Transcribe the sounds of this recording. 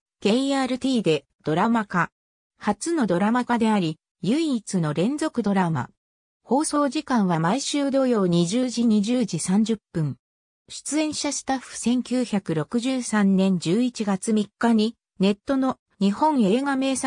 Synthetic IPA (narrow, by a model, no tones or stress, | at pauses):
ɡ̥e̞iaːɾɯ̟t̪ʲiːd̪e̞ | d̪̥o̞ɾamaka | hat͡sɨno̞d̪o̞ɾamakad̪e̞aɾʲi | jɯ̟it͡sɨno̞ɾẽ̞nd͡zo̞kɯ̟d̪o̞ɾama̰ | ho̞ːso̞ːʑikãɰ̃βamaiɕɨːd̪o̞jo̞ːɲ̟iʑɨːʑiɲ̟iʑɨːd͡ʑisãɲ̟d͡ʑɨpːɯ̟̃ŋ | ɕi̥t͡sɨẽ̞ɰ̃ɕaɕi̥t̪aɸɯ̟̥sẽ̞ŋkʲɨːçakɯ̟ɾo̞kɯ̟ʑɨːsãnnẽ̞ɲ̟d͡ʑɨːit͡ɕiɡat͡sɨmʲikːaɲ̟i | ne̞t̪ːo̞no̞ | ɲ̟ihõ̞ɰ̃e̞ːɡame̞ːs